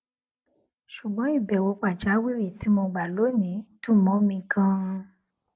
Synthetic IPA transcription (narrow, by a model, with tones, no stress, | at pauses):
ʃu˨ɡ͡bɔ̃˨˦i˦˨bɛ˨wo˨˦k͡pa˨d͡ʒa˨˦wi˦˨ɾi˦˨ti˨˦mɔ̃˧ɡ͡ba˨lo˨˦nĩ˨˦tũ˦˨mɔ̃˨˦mĩ˧kã˧